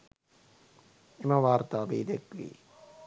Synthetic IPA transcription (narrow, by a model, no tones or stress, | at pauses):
eməʋaːɾt̪aːʋiːd̪ekʋḭː